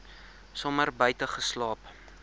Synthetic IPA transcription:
sɔmərbəjtəχəslɑːp

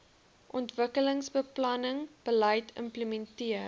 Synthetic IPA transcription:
ʔɔntvəkələŋsbəplɐnəŋb̥əlɐjtʰə̰mpləmɛntiə

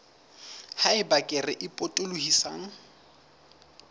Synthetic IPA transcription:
haɪbakʼɪrɪʔɪpʼotʼʊlʊhisa̰ːŋ̩

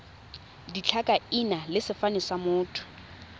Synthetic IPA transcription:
dit͡ɬʰakʼainalɪsɪfanɪsamʊːtʰʊ̥

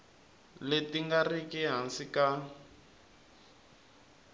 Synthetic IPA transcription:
letiŋɡarikiɦansika

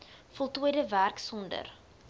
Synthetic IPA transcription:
fɔlˠtuədəværksɔndə̰r

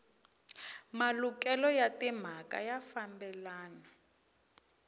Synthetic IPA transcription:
maluk̬ɛlɔjatɛm̤akʼa̰jafambɛlaːna

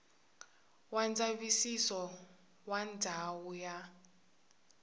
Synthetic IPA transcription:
wand͡zaβisisɔ | wandʱawuja

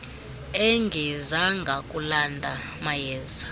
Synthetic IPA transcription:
ɛŋɡʱɛzaŋɡʱakʼulandʱa | majɛːza

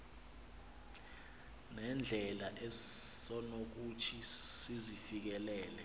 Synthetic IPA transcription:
nɛnd͡ɮʱɛlaʔɛsɔnok̬utʰisizifik̬ɛlɛːlɛ

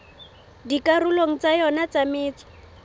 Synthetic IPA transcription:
dikarʊloŋ̩t͡sajɔnat͡samɪːt͡sḁ

